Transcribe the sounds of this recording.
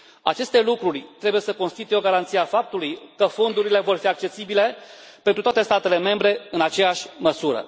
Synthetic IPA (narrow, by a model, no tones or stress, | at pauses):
a̰t͡ʃe̞st̪e̞lukɾurʲt̪ɾe̞bujesəkonst̪it̪ujeo̞ɡaɾant̪siafap̚t̪ulujkəfo̞nd̪uɾile̞vo̞rfiak̚t͡ʃe̞sibile̞penɾut̪oat̪e̞st̪at̪e̞le̞me̞mbɾe̞ɨnat͡ʃe̞jaʃʲməsuɾə̰